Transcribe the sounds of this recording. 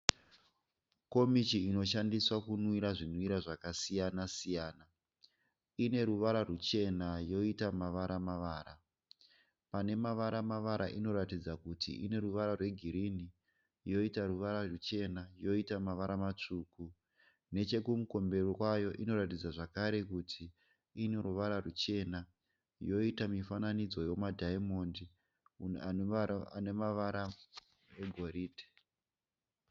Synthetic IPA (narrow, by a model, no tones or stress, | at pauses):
ko̞mit͡ʃiːno̞ʃandiswakunwiɾaʐinwiɾaʐakasijanasijaːna | ine̞ɾuʋaɾarut͡ʃe̞najo̞itamaʋaɾamaʋaːɾa | pane̞maʋaɾamaʋaɾa̰ʔino̞ɾatid͡zakutḭine̞ɾuʋaɾarwe̞ɡʱiɾini | jo̞itaɾuʋaɾarut͡ʃe̞najo̞itamaʋaɾamat͡ʂuːku | ne̞t͡ʃe̞kumuko̞mbe̞rirwajo̞ʔino̞ɾatid͡zaʐakaɾe̞kutʰi | ine̞ɾuʋaɾarut͡ʃe̞na | jo̞itamifananid͡zo̞jo̞madʱaimo̞ndi | anemaʋaɾa | eɡʱo̞ɾiːdʱe̥